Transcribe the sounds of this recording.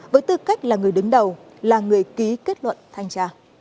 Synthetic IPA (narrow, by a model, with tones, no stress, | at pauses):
vəː˨˦jt̪ɨ˧˩ka˦˥jk̟̚laː˨˩ŋɨ˨˩əjɗɨ˨˦ŋɗə˨˩w | laː˨˩ŋɨ˨˩əjki˨˦ke˦˥t̚lwə̰˧˨nt̪ʰa˧jŋt͡ɕaː˧˩